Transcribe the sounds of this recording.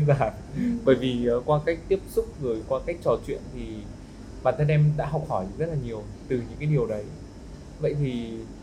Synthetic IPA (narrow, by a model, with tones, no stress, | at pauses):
nzaː˧˩n | ɓəː˧˩jvi˨˩˨kwaː˧ka˦˥jk̟̚t̪i˦˥əp̚sʊ˦˥k͡p̚ɣɨ˨˩əjkwaː˧ka˦˥jk̚t͡ɕɔ˨˩t͡ɕwḭ˧˨ənt̪ʰi˨˩ | ɓaː˨˩nt̪ʰə˧nʔɛ˧mɗa̰ː˧˥ɦɔ˨˩wk͡p̚hɔ˧˩jzə˦˥t̚laː˨˩ɲi˨˩əwt̪ɨ˨˩ɲɨ̰˧˥ŋkaː˨˦ɗi˨˩əwɗə˨˦j | və̰˧˨jt̪ʰi˨˩